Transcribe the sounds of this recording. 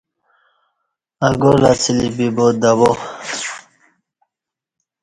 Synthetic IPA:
aɡolat͡sʰilibibod̪abo

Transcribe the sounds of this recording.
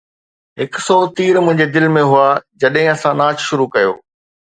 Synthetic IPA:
ɦɪksɔt̪iːɾmʊ̃ɦɪ̃ɲ̆d͡ʑed̪ɪlmẽɦʊad͡ʑɐɗɦɪ̃ɐsãnaːt͡ɕʃʊɾukɐjo̰ː

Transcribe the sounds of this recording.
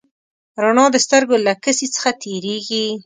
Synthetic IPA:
ɾanɑd̪əst̪əɾɡolakəsit͡sə̥xat̪ʰeɾeɡi

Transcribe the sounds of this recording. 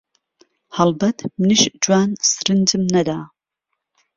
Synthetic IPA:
hɐlbɐt̪ʰmɨniʃd͡ʒwaːnsɨɾɨnd͡ʒɨmnɐd̪aː

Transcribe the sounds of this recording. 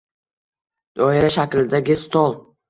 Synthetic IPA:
d̪̥ɒɪɾaʃakʲlɪd̪aɡʲɪst̪ɒlˠ

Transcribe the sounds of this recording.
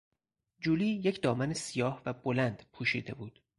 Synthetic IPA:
d͡ʒuːliːjecʰd̪ɒːmænesijɒːhvæbolænd̪̥pʰuːʃḭːd̪e̞buːd̪̥

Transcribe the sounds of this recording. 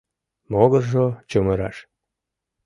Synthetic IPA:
moɣərʒot͡ɕəməɾɑ̰ʃ

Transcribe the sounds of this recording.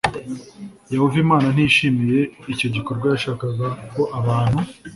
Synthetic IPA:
jahovimaːnan̥iʃimije̞ico̞ɟiko̞ɾɡwajaʃaːkaɡako̞ʔaβaːn̥hu

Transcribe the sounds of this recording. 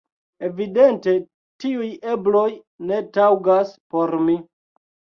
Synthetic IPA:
e̞vide̞nte̞ | tiuje̞blo̞j | ne̞tawɡaspo̞ɾmi

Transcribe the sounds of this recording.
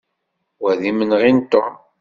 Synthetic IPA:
wæðimənʁint̪o

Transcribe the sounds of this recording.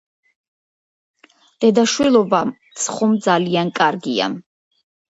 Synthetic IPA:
d̪̥ɛd̪aʃwilˠɔbat̪sʰχɔmd̪zaliankʼaɾɡia̰

